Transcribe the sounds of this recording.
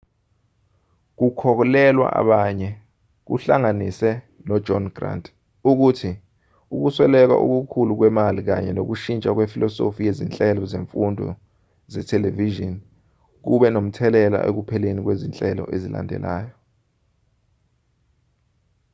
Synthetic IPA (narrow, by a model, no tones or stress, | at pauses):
k̬ukʰɔk̬ɔlɛlwa̰ʔa̰ɓaɲɛ | k̬ṵɬaŋanisɛ | nɔdd͡ʒʱɔnɡra̰ndʼ | uk̬utʰi | uk̬uswɛlɛk̬a̰ʔṵk̬ukʰuluk̬wɛmalik̬aɲɛnok̬uʃint͡ʃʼak̬wefilʔɔsofijezint͡ɬʼɛlɔzeɱfundʱɔ̰ | zɛtʰɛleviʒɔn | k̬uɓɛnom̩tʰɛlɛla̰ʔek̬upʰɛlenik̬wezint͡ɬʼɛlɔ̰ʔezila̰ndʱɛ̰laːjɔ